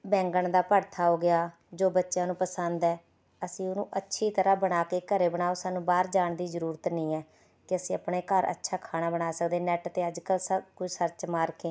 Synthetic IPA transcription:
bɛ̃ːŋɡəɳd̪aːpəɾt̪ʰaːɦoːɡɪjaː | d͡ʒoːbətːʃjãːnũːpəsənd̪ɛː | əsĩːʊnũːʔətːʃʰiːt̪əɾaːbəɽaːkeːkəɾeːbəɳaːoːsaːnũːbaːɾd͡ʒaːɳd̪iːzəɾuːɾət̪nĩːɛː | kɪəsĩːəpɳeːkəɾə̰tːʃʰaːkʰaːɽ̃aːbəɽaːsəkd̪eːnɛːʈt̪eːəd͡ʒkəlsəbkʊd͡ʒsəɾt͡ʃmaːɾkeː

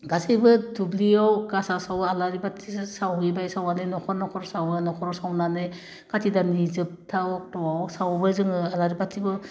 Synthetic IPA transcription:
ɡasijbɯdubliawkasasawalaɾibatʰisawɡibajsawanɯnɔkʰɔɾnɔkʰɔɾsawɯnɔkʰɔɾɔsawnanɯj | katʰidanizɯp̚tʰaw̚tɔwawsawbɯzɯŋɯalaɾibatʰibɯ

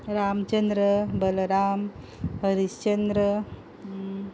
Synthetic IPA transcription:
ɾaːmt͡ɕənd̪ɾəbəlɾaːm | ɦəɾist͡ɕənd̪ɾə

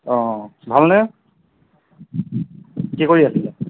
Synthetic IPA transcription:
ɔ̃bʱalnɛ | kikoɹiasilɛ

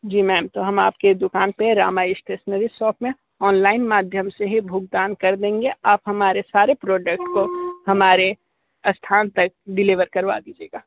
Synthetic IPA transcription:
d͡ʒiːmɛːmt̪oɦɐmaːp̚ked̪ʊkaːnpeɾa̰ːmaːɪʃʈesnəɾisɔːpmẽ | ɔːnlaːɪnmaːd̪ʱjəmseɦibʱʊːɡ̚d̪aːnkɐɾd̪ẽːŋɡeaːpɦɐmaːɾesaːɾepɾɔːɖək̚ʈkohɐmaːɾe | ɐst̪ʰaːnt̪ɐk̚ɖɪliʋəɾkɐɾʋa̰d̪iːd͡ʒḛːɡaː

